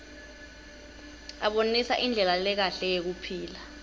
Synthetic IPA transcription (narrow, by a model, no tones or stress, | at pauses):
aɓonisaʔind͡ɮʱɛlalɛk̬aɬɛjek̬upʰiːla